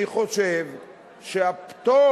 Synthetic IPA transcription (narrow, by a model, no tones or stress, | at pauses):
iχoʃev | ʃeapt̪o